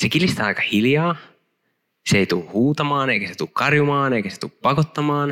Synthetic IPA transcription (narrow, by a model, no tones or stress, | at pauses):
sekilist̪æɑjkɑhiljɑː | seeit̪uhuːt̪ɑmɑːneikæset̪ukkɑrjumɑːneikæse̥t̪uppɑkot̪ːɑmɑːn